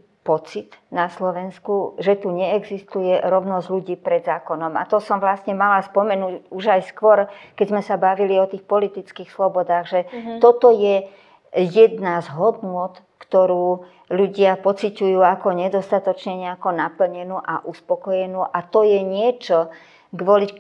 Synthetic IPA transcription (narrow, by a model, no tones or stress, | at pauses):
pɔt͡sit̪naslɔʋɛnskuʒɛt̪uɲɛɛɡzist̪ujɛɾɔʊnɔzɟluɟiːpɾɛd̪zaːkɔnɔma̰t̪ɔsɔmʋlasɲɛmalaspɔmɛnuːɟuʒajskʋɔɾkɛzmɛsabaʋiliɔt̪iːxpɔlit̪it͡skiːxslɔbɔd̪aːɣʒɛt̪ɔt̪ɔjɛ | jɛd̪nazɦɔd̪nʊɔt̪ | kt̪ɔɾuː | luɟɪapɔt͡sicujuːakɔɲɛd̪ɔst̪at̪ɔt͡ʃɲɛɲɛakɔnapl̩ɲɛnuːʔaʔuspɔkɔjɛnuːʔat̪ɔjɛɲɪɛt͡ʃɔ | ɡʋɔli